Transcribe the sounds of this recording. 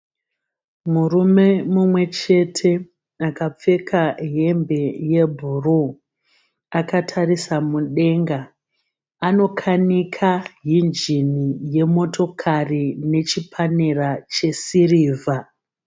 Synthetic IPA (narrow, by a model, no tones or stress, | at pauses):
murume̞mumwe̞t͡ʃe̞tʰe̞ | akap͡fe̞kʰaɦe̞mbe̞je̞bʱuru | akatʰarisamuɗe̞ŋɡa | ano̞kʰanikʰaɦind͡ʒinije̞mo̞to̞kʰarine̞t͡ʃipʰanerat͡ʃe̞siriːvʱa